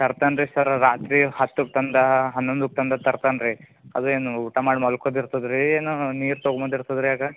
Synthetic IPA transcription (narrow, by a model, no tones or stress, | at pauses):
t̪ɐɾt̪anɾisɐɾɾaːt̪ɾihɐt̪ːuk̚t̪ɐnd̪ɐɦɐnːond̪uk̚t̪ɐnd̪ɐt̪ɐɾt̪anɾi | ɐd̪ueːnuuʈamaːɽmɐlkod̪iɾt̪ɐd̪ɾieːnuniːɾt̪oːɡmod̪iɾt̪ɐd̪ɾiaːɡɐ